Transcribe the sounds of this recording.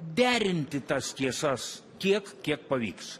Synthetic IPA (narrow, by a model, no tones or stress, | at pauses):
d̪ʲæːɾʲɪnʲt̪ʲɪt̪ɐst̪ʲiɛsɐs | kʲiɛkkʲiɛk̚pɐʋʲḭːks